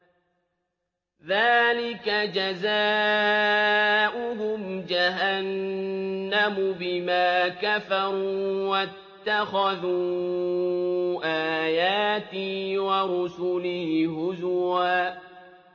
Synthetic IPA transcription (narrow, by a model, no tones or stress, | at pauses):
ðaːlɪkad͡ʒazaː | ʔʊɦʊmd͡ʒaɦanː | amʊbɪmaːkafɑɾuːwat̪ːaxaðuː | ʔaːjaːt̪ɪwaɾʊsʊlɪhhʊzwaː